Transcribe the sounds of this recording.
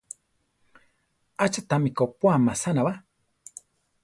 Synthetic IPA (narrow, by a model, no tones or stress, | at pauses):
at͡ʃat̪amikopwamasanaβa